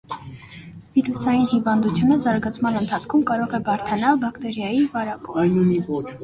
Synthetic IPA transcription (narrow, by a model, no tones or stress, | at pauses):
viɾusɑjinhivɑnd̪ut͡sʰjunəzɑɾɡɑt͡sʰmɑnənt̪ʰɑt͡sʰkʰumkɑɾɔʁɛbɑɾt̪ʰɑnɑlbɑkt̪ɛɾjɑjivɑɾɑkɔjnuniɔ